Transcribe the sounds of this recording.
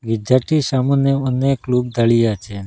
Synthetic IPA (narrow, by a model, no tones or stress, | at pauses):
ɡid͡ʒaʈisamuneəneklub̚d̪əɭijat͡ʃʰe